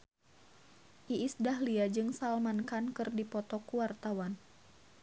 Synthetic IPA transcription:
ʔiʔːsdaɦliad͡ʒɨŋsalmankankɨrdipɔt̪ɔkuwart̪awan

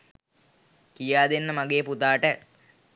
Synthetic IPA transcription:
kijaːd̪enːəmaɡeːput̪aːʈə

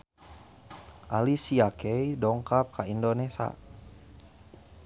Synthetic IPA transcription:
ʔalisiakɛjdɔŋkap̚kaindonɛsa̰

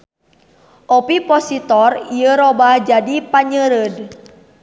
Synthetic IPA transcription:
ʔɔpipɔsit̪ɔriəɾobahd͡ʒadipaɲəɾəd

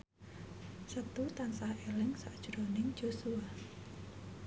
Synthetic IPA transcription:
sət̪ut̪ansahelɪŋsaʔd̥ʒ̥ɾonɪŋ̥d͡ʒ̥osua

